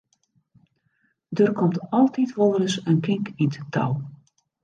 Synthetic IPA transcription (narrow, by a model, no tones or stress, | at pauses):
dərkɔmtɑlˠtitʋolˠərəsənkɪŋkindətʰa̰w